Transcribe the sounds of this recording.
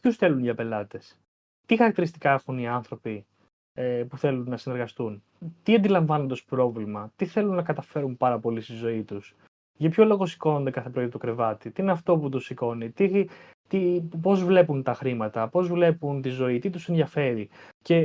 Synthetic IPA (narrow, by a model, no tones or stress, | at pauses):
pçusθe̞lunʝɐpe̞lɐt̪e̞s | t̪ixɐɾɐkt̪iɾist̪ikɐexuniɐnθɾo̞pi | epuθe̞lunːɐsine̞ɾɣɐst̪un | t̪iɐnd̪ilɐɱvɐno̞nd̪ɐspɾo̞vlimɐt̪iθe̞lunːɐkɐt̪ɐfe̞ɾumpɐɾɐpo̞list̪izo̞it̪us | ʝɐpço̞lo̞ɣo̞si̥ko̞no̞nd̪ekɐθe̞pɾo̞it̪okɾe̞vɐt̪it̪iineɐft̪o̞put̪̬usiko̞nit̪i | t̪ipo̞zvle̞punt̪ɐxɾimɐt̪ɐpo̞zvle̞punt̪izo̞it̪it̪use̞nðiɐfe̞ɾice̞